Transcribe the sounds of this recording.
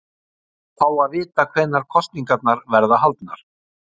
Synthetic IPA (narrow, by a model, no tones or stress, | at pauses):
θawaðvɪːt̪akʰvɛːnːaɾ̥kʰɔst̪niŋkat̪̚naɾvɛɾðaɦalt̪na̰ɾ̥